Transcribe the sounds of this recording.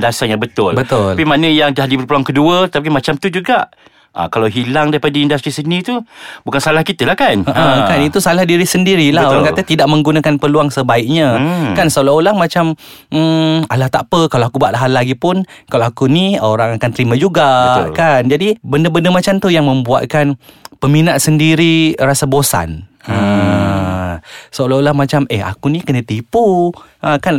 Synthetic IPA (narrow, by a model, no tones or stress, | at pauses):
dasaɲabət̪ʊlbət̪ʊlpimanə̃jaŋdahdibəɾpəluaŋkəduət̪ət̪ap̬imat͡ʃamt̪ud͡ʒuɡaʔ | ʔa̰kalawɦilaŋdaɾipadaindast̪ɾisənĩt̪ubukansalahkit̪əlahkanəʔə̃kanit̪usalahdiɾihsəndiɾilahoɾaŋkaət̪idaʔ̚mə̃ŋɡunakanpəluaŋsəbaɪk̚ɲãkansoloolaŋmãt͡ʃam̩ | alaht̪apəkaloakubaʔ̪laɦalaɡipʊnkaloakunioɾaŋakant̪əɾimãd͡ʒuɡakand͡ʒadibəndəbəndəmat͡ʃamt̪ujaŋmə̃mbua̰t̪̚kanpəminaʔsəndiɾiɾasabosa̰nə | səolaolahmat͡ʃaməa̰kunikənə̃t̪ipuʔəkan